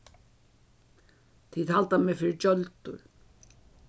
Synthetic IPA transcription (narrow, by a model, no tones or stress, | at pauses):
t̪ʰiːðhalt̪amɛːfɪːɾɪt͡ʃœlt̪ʊ̰ɹ